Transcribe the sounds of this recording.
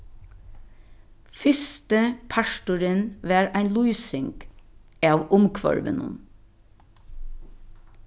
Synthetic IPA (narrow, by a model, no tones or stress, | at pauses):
fɪst̪əpʰɑʃʈʊɾɪnʋæːɾæɪnluːsɪŋk | ɑːʋʊmkʰʋɔ̰ɹʋə̰nʊ̰n